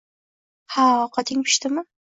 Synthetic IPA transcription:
haqʰɑt̪ʰɪŋpʰɪ̥ʃt̪ɪmɪ

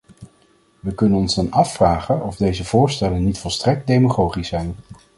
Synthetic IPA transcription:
ʋəkɵnənɔnzdɑnɑfːraːχənɔvdejzəv̥ʊːɹstɛlənːitfɔlˠstrɛk̚t̚dejmaχowχisɛjn

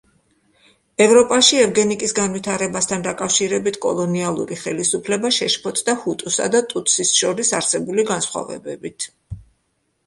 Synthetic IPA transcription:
ɛvɾɔpʼaʃiɛvɡɛnikʼisɡanvit̪ʰaɾɛbast̪ʰand̪akʼafʃiɾɛbit̪ʰkʼɔ̰lˠɔnialˠṵɾiχɛlisupʰlɛbaʃɛʃpʰɔt̪ʼd̪ahut̪ʼusa̰d̪at̪ʼut̪ʰʼsisʃɔɾisaɾsɛbuliɡansχwa̰vɛ̰bɛbit̪ʰ

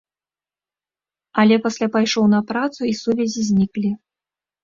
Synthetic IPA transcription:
ɐlʲɛpasʲlʲapajʂɔwnɐpɾat̪suisuvʲɛzʲizʲnʲiklʲi

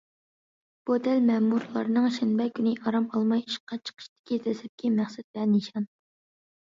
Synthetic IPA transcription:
b̥od̪ɛlmɛmuɾlˠɑ̰ɾnɨŋʃɛnbɛkʲʰynɪʔɑɾɑmɑlˠmɑjiʃqʰɑt͡ʃʰə̥qʰə̥ʃt̪ʰɪ̥kʲizɛsɛp̚kʲimæχsɛt̪̚bɛniʃɑn

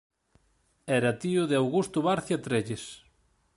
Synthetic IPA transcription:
ɛɾɐt̪iʊðeawɣust̪ʊβaɾθjat̪ɾeʎes

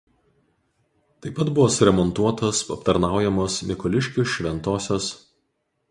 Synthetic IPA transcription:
t̪ɐɪpːɐt̪bʊʋoːsʊɾʲɛmɔnt̪uɔt̪oːspɐpt̪ɐɾnɑˑʊjɛmoːsmʲɪkɔlʲɪʃʲkʲʊsʃʲʋʲɛnt̪oːsʲoːs

